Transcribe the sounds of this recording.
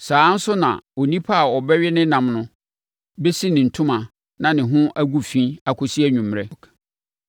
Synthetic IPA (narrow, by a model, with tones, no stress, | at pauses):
saː˨˦n̩˦sʊ˦nã̰˨o˨nĩ˦pʰa˦a˨ɔ˨bɛ˦ɥɪ˦nɪ̃˦nã˨mnʊ̃˦ | be˦si˦nɪ̃˨n̩˨tʰʊ̃˦mã˨ | nã˨nɪ̃˨ɦʊ̃˦ʔæ˦ɡu˦fĩ˦a˨kʰʊ˨si˦æ˦ɲũ˨m˨ɾɛ˦k